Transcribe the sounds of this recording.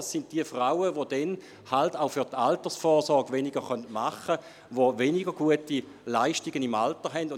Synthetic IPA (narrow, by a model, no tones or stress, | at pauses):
sːɪnt̚d̥iəfʁaʊəʋod̥ɛn | haltaʊfyɐtaltəsfɔːsɔɐɡʋenɪɡəχœntmaχə | ʋovenɪɡəɡuəti | laɪʃtɪɡənimaltəɦɛndʊ